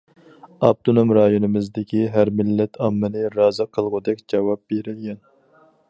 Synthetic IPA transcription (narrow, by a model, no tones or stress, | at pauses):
ɑb̚t̪ʰonomɾɑjonɨmɨzd̪ɪkʲʰiɦæɾmɪlːɛt̪ʰɑmːɨnɪɾɑːzɨqʰəlˠʁʊd̪ɛkʲd͡ʒɑwɑp̚beɾɪlɡʲɛn